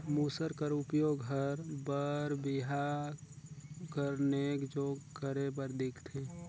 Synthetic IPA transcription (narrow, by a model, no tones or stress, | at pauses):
muːsəɾkəɾʊpjoɡɦəɾbəɾbɪɦa | kəɾnekd͡ʒoːɡɡʱəɾep̬əɾd̪ɪkʰt̪ʰe